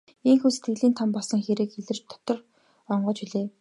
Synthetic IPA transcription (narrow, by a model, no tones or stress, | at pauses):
iŋxuːse̥t̪ɡɘ̆ɮiːnt̪ʰampɔɮsɞ̆ŋxeɾĕːkxeɮɘ̆r̥t͡ɕt̪ʰɔ̥t̪ɞ̆r | ɔɴɢɞ̆t͡ɕiɮeː